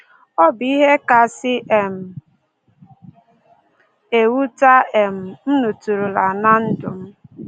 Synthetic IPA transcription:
ɔ˦bi˦ɦe˦ka˨sɪ˦ʔe˨m̩˨ | e˨wu˦ta˦e˨m̩˨m̩˦nu˨tu˨ɾu˨la˨na˦n̩˦dʊ˨m̩˦

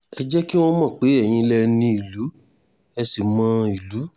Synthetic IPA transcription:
ɛ˧d͡ʒɛ˦ki˦w̃ɔ̃˦mã˦˨k͡pe˨˦ɛ˦˨j̃ĩ˧lɛ˦nĩ˧˦i˨lu˨˦ | ɛ˧si˨mã˧i˨lu˨˦

